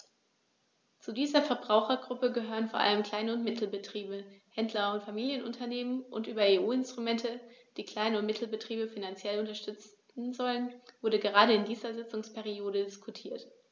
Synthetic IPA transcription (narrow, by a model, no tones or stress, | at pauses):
t͡sudiːzɐfɛɐbʁaʊxɐɡʁʊpəɡəɦøːʁ̞ənfoɐʔa̰ləmkl̥aɪnəʊntmɪtʰl̩bətʁ̥iːbəhɛndlɐʊntfamiːljənʔʊ̰ntʰɐneːmənʔʊntʔyːbɐeːuːɪnstʁ̥umɛntʰəd̥iːkl̥aɪnəʊntmɪtʰl̩bətʁ̥iːbəfinant͡sjɛlʊntɐʃtʏt͡s | n̩zɔlənvʊɐɾəɡəʁ̞aːɾəɪndiːzɐzɪt͡sʊŋspʰɛʁioːɾədɪskʰutʰiːɐt